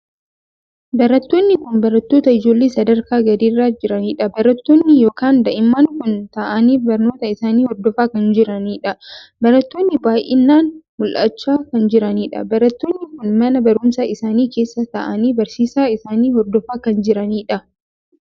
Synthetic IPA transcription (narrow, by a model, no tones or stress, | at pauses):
bɐɾɐt̪ːoːnːɪkʊnbɐɾɐt̪ːo̞ːt̪ɐɪd͡ʒoːlːeːsɐd̪ɐɾkaːɡɐd̪iːrːaːd͡ʒɪɾɐniːᶑɐbɐɾɐt̪ːoːnːɪjoːkaːnd̪ɐʔɪmːaːŋkʊnt̪ɐʔɐniːfbɐɾno̞ːt̪ɐɪsaːniːhɔɾd̪ɔfaːkɐnd͡ʒɪɾɐniːᶑɐbɐɾɐt̪ːoːnːɪbaːjʔɪnːaːnmʊlʔɐ̰t͡ʃːaːkɐnd͡ʒɪɾɐniːᶑɐ̰bɐɾɐt̪ːoːnːɪkʊnmɐnɐbɐɾʊmsaɪsaːniːke̞ːsːɐt̪ɐʔɐniːbɐɾsiːsaːɪsaːniːhɔɾd̪ɔfaːkɐnd͡ʒɪɾɐniːᶑɐ